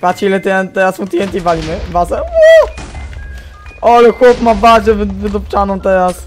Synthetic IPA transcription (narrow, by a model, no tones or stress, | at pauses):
pat͡ɕiilɛt̪ɛɛnt̪ɛɾasmut̪jɛnt̪ʲivalʲimɘvasɛwɔ | ɔlɛxwɔpmabad͡ʑɛvvɘd̪ɔpt͡ʂanɔ̃mt̪ɛɾas